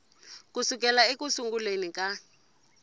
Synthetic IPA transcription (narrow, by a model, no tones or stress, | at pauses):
kusuk̬ɛlaekusuŋɡulenika